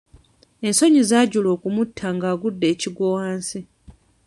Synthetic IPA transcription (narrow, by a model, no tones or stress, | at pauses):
e̞nso̞ɲizaːɟulo̞ːkumutʰːaŋɡaːɡudːe̞ːciɡowaːnsi